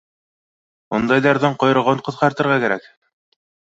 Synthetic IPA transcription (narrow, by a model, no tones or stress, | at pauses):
und̪ɑjðɑɾðɑɴqojɤ̆ʁɤɴqŏθqɑɾt̪ɤ̆ɾʁɑkæɾæk